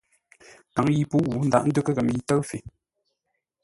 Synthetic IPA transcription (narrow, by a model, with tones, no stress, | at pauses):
ka˨˦ŋji˦pu˦wu˨˦n̩˦da̰˦ʔn̩˦də˦kə˦kə˨m˦ji˦tə˦fi˨